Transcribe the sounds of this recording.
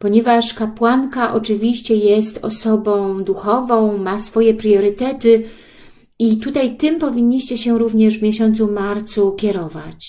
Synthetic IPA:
pɔɲɛvaʂkapwaŋkaʔɔt͡ʂɘvʲiɕt͡ɕɛjɛst̪ɔ̰sɔbɔ̃w̃d̪uxɔvɔ̃w̃masfɔjɛpɾjɔɾɘt̪ɛt̪ɘ | it̪ut̪ajt̪ɘmpɔvʲiɲːiɕt͡ɕɛɕɛɾuvɲɛʐvmʲjɛɕɔnt̪sumaɾt̪sukʲɛɾɔva̰t͡ɕ

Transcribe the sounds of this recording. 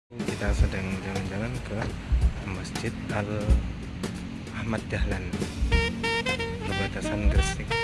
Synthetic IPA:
t͡ʃit̪asədaŋd͡ʒaland͡ʒalankə | masd͡ʒɪt̪̚al | ahmat̪̚d͡ʒahlan | pərbat̪asanɡərsɪk̚

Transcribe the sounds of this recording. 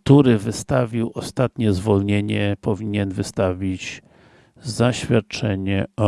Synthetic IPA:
t̪uɾɘvɘst̪avʲiwɔst̪at̪ɲɛzvɔlɲeɲɛpɔvʲiɲɛnvɘst̪avʲid͡ʑ | zaɕfʲjat̪̚t͡ʂɛɲɛ

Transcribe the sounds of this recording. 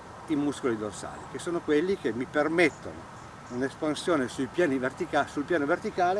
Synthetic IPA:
imuskolid̪orsa̰ːlikesːoːnokwelːikemipermet̪ːo̰no̰ | unespansjoːnesuipjaːnivert̪ikasulpjaːnovert̪ikaːle

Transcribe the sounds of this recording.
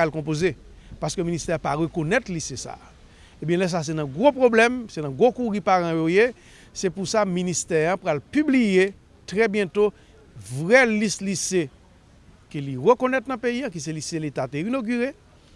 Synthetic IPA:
alkɔ̃p̬oze | paskømĩnist̪ɛ̃paʁəkonɛt̪lisesa̰ | ebjɛ̃lɛs̬as̬ɛnɐ̃ɡʁopʁoblɛmsɛnãɡʁokuʁipaʁãjoje | sɛpusamĩnist̪ɛãpʁalpyblije | tʁɛbjɛ̃t̪o | vʁɛlislise | kəliʁøkonɛtnɐ̃peijãkis̬ɛliselet̪ateinoɡyʁe

